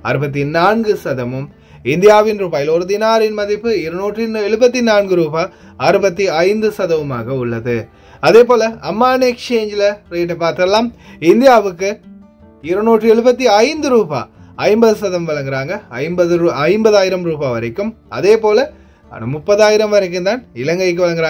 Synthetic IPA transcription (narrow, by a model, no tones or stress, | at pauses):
ɐɾɯbɐt̪̬ːinaːnɡɯsɐðɐmɯm | ɪnd̪ɪjaːʋɪnɾuːbaːjɪlɔɾɯd̪ɪnaːɾɪnmɐðɪpːɯɪɾɯnuːʈrɯɛɻɯbɐt̪ːinaːnɡɯɾuːbaː | ɐɾɯbɐt̪ːiɐɪnd̪ɯsɐðɐʋɯma̰ːɣɐʊɭːɐðɯ | ɐðeːpoːlɐɐmːaːnɛkt͡ʃeːɲd͡ʒlɐɾeːʈ̬ːɐpaːɾt̪ɯɐlaːmɪnd̪ɪjaːʋɯkːɯ | ɪɾɯnuːʈrɯɛɻɯbɐt̪̬ːiɐɪnd̪ɯɾuːba̰ːɐɪmbɐðɯsɐðɐmʋɐɭɐŋɡɪɾaːŋɡɐɐɪmbɐðɯɾɐɪmbɐðaːjɪɾɐmɾuːbaːʋɐɾɐkːɯm | ɐ̰ðeːpoːlɐ | ɐ̰nɯmʊpːɐðaːjɪɾɐmʋɐɾɐk̬ːɯnd̪aːnɪlɐŋɡɐɪk̬ːɯʋɐɭɐŋɡɪɾaː